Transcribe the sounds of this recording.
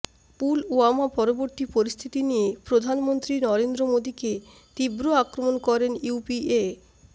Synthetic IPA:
puluamapɔɾoboɾt̪ipoɾist̪ʰit̪inijepɾod̪ʱanmont̪ɾinɔɾend̪ɾomod̪ike | t̪ibɾoakɾomonkɔɾenjupie

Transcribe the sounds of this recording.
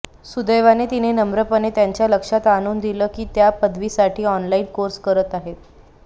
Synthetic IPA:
sud̪əjʋanet̪inenəmbɾəpənet̪jaɲt͡ɕjaləkʂat̪añuːnd̪iləːkiːt̪japəd̪ʱʋisaʈʰiːɔnlaiːnkoɾskəɾət̪aɦet̪̚

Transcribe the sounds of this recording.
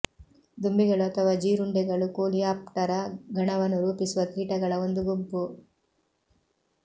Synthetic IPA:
d̪umbiɡɐɭuɐt̪ʰɐʋaːd͡ʒiːɾuɳɖɛɡɐɭukoːliaːp̚ʈɐɾɐɡʱɐɳɐʋɐnːuɾuːpisuʋɐt̪iːʈɐɡɐɭɐond̪uɡumpu

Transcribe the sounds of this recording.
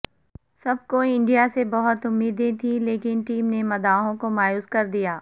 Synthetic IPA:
sɐb̚ʱkoɪ̃ɳɖijasebɐɦʊt̪ʊmːiːd̪ẽt̪ʰĩleːkɪnʈiːmnemɐd̪aːɦõkomaːjuːskɐɾd̪ijaː

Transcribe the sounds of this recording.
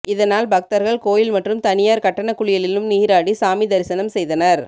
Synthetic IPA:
ɪðɐnaːlbɐk̚t̪ɐɾɣɐɭkoːjɪlmɐʈrɯmt̪ɐnɪjaːɾkɐʈːɐɳɐkːʊɭɪjɐlɪlɯmniːɾaːɽisaːmid̪ɐɾɪsɐnɐmsɛjðɐnɐɾ

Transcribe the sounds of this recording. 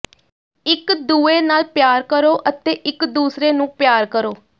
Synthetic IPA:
ɪkd̪uːeːnaːlpjaːɾkəɾoːʔət̪eːʔɪkd̪uːsɾeːnũːpjaːɾkəɾoː

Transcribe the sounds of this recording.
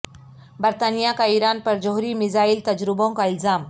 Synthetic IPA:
bəɾt̪anijakaiɾanpəɾd͡ʒəɦuɾimizailt̪ɐd͡ʒɾibõŋkaɪlzaːm

